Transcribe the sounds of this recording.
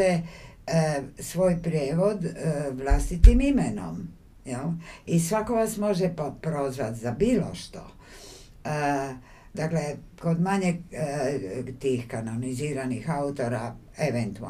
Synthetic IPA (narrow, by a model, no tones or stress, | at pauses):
e | sʋo̞ːjpɾjeːʋo̞d̪ʋlast̪it̪imimeno̰m | jelisʋako̞ʋasmo̞ʒeppɾo̞zʋat̪zabiːlo̞̰ʃt̪o̰ | d̪akleko̞d̪maɲe | t̪iːxkanoniziːɾanixaut̪o̞ɾa | eʋent̪ua̰